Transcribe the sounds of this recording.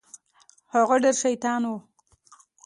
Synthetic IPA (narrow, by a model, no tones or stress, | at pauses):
haɣeɖeɾʃajt̪ɑːnwu